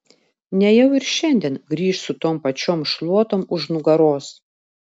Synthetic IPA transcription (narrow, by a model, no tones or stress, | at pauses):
nʲɛjɛʊɪɾʃʲɛnʲd̪ʲiɛnɡɾʲiːʃsʊt̪oːmpɐt͡ʃʲoːmʃlˠuɔt̪oːmʊʃnʊɡɐɾoːs